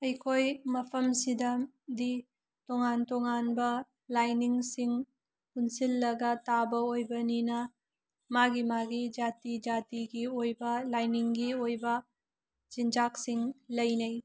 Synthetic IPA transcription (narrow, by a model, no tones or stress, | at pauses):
ɐjkʰojmɐpʰɐmsidɐ | di | toŋantoŋanbɐ | lajniŋsiŋ | punsilːɐɡɐtabɐojbɐninɐ | maɡimaɡid͡ʒatid͡ʒatiɡiojbɐlajniŋɡiojbɐ | t͡ʃind͡ʒaksiŋlɐjnɐj